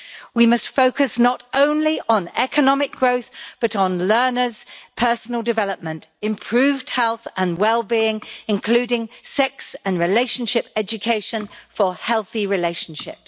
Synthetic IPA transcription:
wimʌstfəʊkəsnətə̃ʊ̃nliʔə̃nɛkʰənɒmɪk̚ɡ̥ɹəʊθb̥ʌɾn̩lɜːnəz̥pʰɜˑsən̩əlˠdɪvɛləp̚mə̃ntɪ̃mpʰɹ̥ʉːvd̥̚hɛlˠθə̃nwɛlˠbiɪ̃ŋɪ̃nkʰl̥ʉːɾɪ̃ŋsɛksə̃nɹɪleɪʃə̃nʃɪpɛd͡ʒɨkʰeɪʃə̃nfəhɛlˠθiɹɪleɪʃə̃n̩ʃɪ̰p̚

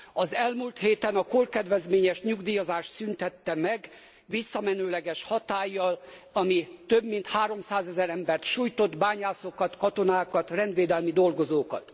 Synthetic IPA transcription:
ɒzɛlmult̪heːt̪ɛnɒkolkɛd̪ʋɛzmeːɲɛʃɲuɡd̪iːjozaːʃt̪synt̪ɛt̪ːɛmɛɡ | ʋisːɒmɛnøːlɛɡɛʃhɒt̪aːjːɒlɒmit̪øbmint̪haːɾo̞msaːzɛzɛɾɛmbɛrt̪ʃuːjt̪o̞d̪baːɲaːsokɒt̪kɒt̪o̞naːkɒt̪rɛnd̪ʋeːd̪ɛlmid̪o̞lɡo̞zoːkɒ̰t̪

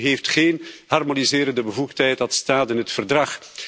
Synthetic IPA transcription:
ɦeːftxeːnɦɑrmonizɪːɾəndəbəvuxtɦɛjtɑtstaːtɪnɦətfərdrɑx

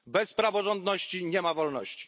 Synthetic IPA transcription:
bɛspɾavɔʐɔnd̪nɔɕt͡ɕiɲɛmavɔlnɔɕt͡ɕi̥

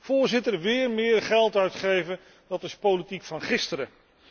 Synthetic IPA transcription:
v̥ʊːɹzɪtəɹʋɪːɹmɪːɹχɛlˠtœɥtχejvən | d̥ɑtɪspolitikfɑnχɪstəɾə

